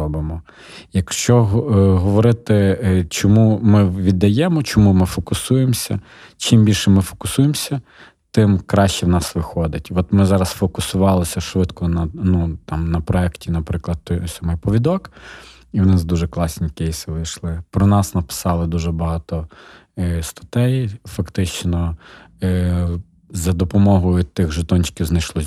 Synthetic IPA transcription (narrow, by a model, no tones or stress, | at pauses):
ɔbɪmɔ | jɐkʃt͡ʃɔɦɦɔʋɔɾɪt̪ɪt͡ʃɔmumɪʋʲid̪ːɐjɛmɔt͡ʃɔmumɪfɔkʊsujemsʲɐ̰ | t͡ʃimbʲilʲʃɛmɪfɔ̥kʊ̥sujemsʲɐ | t̪ɪmkɾɑʃt͡ʃɛwnɑsʋɪxɔd̪ɪtʲʋɔt̪mɪzɑɾɐsfɔkʊsʊʋɑlˠɔsʲɐʃʋɪd̪kɔnɐnut̪ɑmnɐpɾɔɛktʲinɐpɾɪklˠɐd̪̚t̪ɔsʲɔmɪjpɔʋʲid̪ɔk | iwnɪzd̪uʒɛklˠɑsʲnʲikɛjsɪʋɪjʃlˠɪpɾɔnɑsnɐpɪ̥sɑlˠɪd̪uʒɛbɐɦɑt̪ɔ | st̪ɐ̥t̪ɛjfɐkt̪ɪt͡ʃnɔ | zɐd̪ɔpɔmɔɦɔjʊt̪ɪɣʒɪt̪ɔnʲt͡ʃkʲiwznɐjʃlˠɔ